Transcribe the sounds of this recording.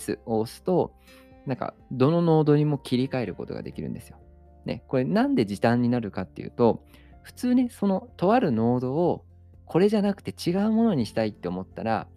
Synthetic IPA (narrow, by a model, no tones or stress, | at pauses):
sɨ̰o̞ːsɨ̥t̪o̞ | nãŋka̰ | d̪o̞no̞no̞ːd̪oɲ̟imo̞kʲiɾʲikae̞ɾɯ̟ko̞t̪o̞ɡa̰d̪e̞kʲiɾɯ̟̰̃nd̪esɨjo̞ | ne̞̰ko̞ɾe̞nãnd̪e̞d͡ʑit̪ãɲ̟ːinaɾɯ̟kat̪ːe̞̰jɯ̟̰ːt̪o̞ | ɸɯ̟̥t͡sɨːne̞so̞no̞t̪o̞βaɾɯ̟no̞ːd̪o̞ː | kʰo̞ɾe̞ʑanakɯ̟̥t̪e̞t͡ɕiɡaɯ̟mo̞no̞ɲ̟iɕi̥t̪ait̪ːe̞omo̞t̪ːaɾa̰